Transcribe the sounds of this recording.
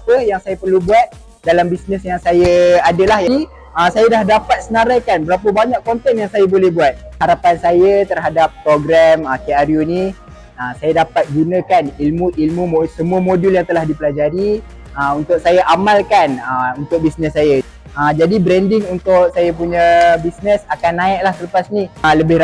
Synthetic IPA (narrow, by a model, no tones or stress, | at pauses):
apəjaŋsajapərlubuat̪̚ | dalambisnəsjaŋsajəadəlahjadi | ʔəsajadahdapat̪̚sənaɾajkanbəɾapəbaɲaʔkont̪ɛnjaŋsajabolɛhbuat̪̚haɾapansajət̪ərɦadap̚ːɾoɡɾaməkeaɾjuni | əsajadapat̪̚ɡunəkanilmũʔilmũmsəmuəmoduljaŋt̪əlahdipəlad͡ʒaɾi | əunt̪ʊk̚sajaʔamalkanəunt̪ʊk̚bisnəsːajə | əd͡ʒadibɾɛndɪŋunt̪ʊk̚sajap̬uɲə̃bisnəsakanːãɪʔlahsələpasniləbɪh